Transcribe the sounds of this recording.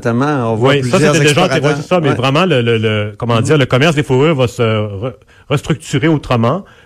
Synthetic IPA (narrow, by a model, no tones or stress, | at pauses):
t̪amɑ̃ɔ̃vwisʌset̪ɛd̪eʒat̪ewɛsesamɛvʁɛmɑ̃lələləkɔmɑ̃d̪ziːʁləkɔmɛʁsd̪efuʁyːʁvasəʁə | ʁəst̪ʁyk̚t̪yʁeot̪ʁəmɑ̃